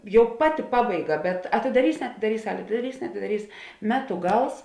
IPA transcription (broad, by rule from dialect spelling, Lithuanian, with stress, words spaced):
ˈjɛʊ ˈpɑːˌtʲɪ ˈpɑːbɐɪˌɡɐ bʲɛt ɐtʲɪdɐˈrʲiːs nʲɛɐtʲɪdɐˈrʲiːs ˈsɑːlʲeː ɐtʲɪdɐˈrʲiːs nʲɛɐtʲɪdɐˈrʲiːs ˈmʲæːtʊ ˈɡɐlˠs